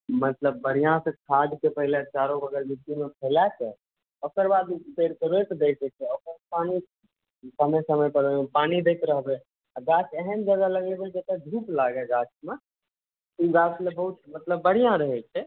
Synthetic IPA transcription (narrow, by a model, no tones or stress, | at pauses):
mət̪ləbːəɽ̤ijãsẽkʰad̪kepəɦilet͡ʃaɾõbʱəɡəɾbit̪ːimepʰɛlat͡ʃɛ | okəɾbad̪peɾkəɾojt̪d̪ed͡ʒɛt͡ʃʰɛokəɾpani | səməjsəməjpəɾə̃panid̪ek̪ɾəɦbɛ | aɡat͡ʃɛɦəmd͡ʒəɡaləɡɛbed͡ʒet̪əd̪ʱuːplaɡɛɡat͡ʃme | uɡat͡ʃlebəɦut̪mət̪ləbːəɽ̤ijãɾəɦɛt͡ʃʰɛ